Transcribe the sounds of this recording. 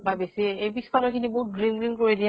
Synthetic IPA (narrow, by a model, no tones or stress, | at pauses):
babesiebispʰalɔkʰiniboɦut̚ɡɹiŋɡɹiŋkoɹidija